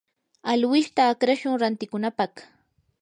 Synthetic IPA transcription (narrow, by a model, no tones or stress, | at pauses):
alwɪʃt̪aːkɾaʃʊŋɾant̪ɪkʊnapɑχ